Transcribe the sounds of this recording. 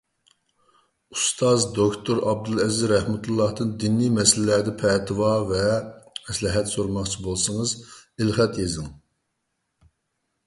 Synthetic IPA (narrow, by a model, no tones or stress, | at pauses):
ust̪ʰɑzd̪okʰt̪ʰoɾɑb̚d̪ɨlˠɛzɾɛhmut̪ʰulˠːɑhd̪ɨnd̪inːimɛslːæd̪ɛpʰɛt̪ʰɨwɑvɛmɛslɨɦɛt̪soɾmɑχt͡ʃʰibolˠsɨŋəzɪlχɛt̪jezɪŋ